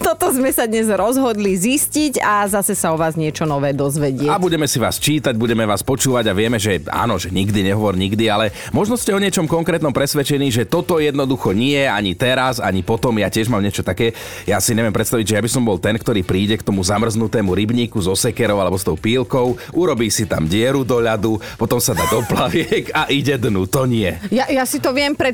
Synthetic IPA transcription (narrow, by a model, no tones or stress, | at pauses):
t̪ɔt̪ɔzmɛsad̪ɲɛzɾɔzɦɔd̪lizisciɟazasɛsaɔʋaːzɲɪɛt͡ʃɔnɔʋɛːd̪ɔzʋɛɟɪɛabuɟɛmɛsiʋa̰ːst͡ʃiːt̪aɟ̚buɟɛmɛʋaːspɔt͡ʃuːʋaɟaʋɪɛmɛʒɛa̰ːnɔʒɛɲiɡd̪iɲɛɦɔʋɔɾɲiɡd̪ialɛ | mɔʒnɔscʲɛɔɲɪɛt͡ʃɔmkɔŋkɾɛːt̪nɔmpɾɛsʋɛt͡ʃɛniːʒɛt̪ɔt̪ɔjɛd̪nɔd̪uxɔɲɪɛaɲit̪ɛɾaza̰ɲipɔt̪ɔmjaːcɪɛʒmaːmɲɪɛt͡ʃɔt̪akɛː | jasiɲɛʋɛmpɾɛt̪st̪aʋiɟʒɛjabisɔmbɔlt̪ɛnkt̪ɔɾiːpɾiːɟɛkt̪ɔmuzamr̩znut̪ɛːmuɾibɲiːkuzɔsɛkɛɾɔʊalɛbɔst̪ɔʊpiːlkɔʊʔuɾɔbiːsit̪a̰mɟɪɛɾud̪ɔʎad̪upɔt̪ɔmsad̪aːd̪ɔplaʋɪɛkaʔiɟɛd̪nut̪ɔɲɪɛjajasit̪ɔʋɪɛmpɾɛ